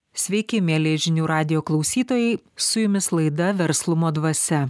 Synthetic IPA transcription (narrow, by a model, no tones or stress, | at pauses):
sʲʋʲɛɪkʲɪmʲeːlʲeːʒʲɪnʲuːɾɑːd̪ʲɪjoːklˠɒʊsʲiːt̪oːjɛɪsʊjʊmʲɪslˠɐɪd̪ɐʋʲɛɾslˠʊmoːd̪ʋɐsʲɛ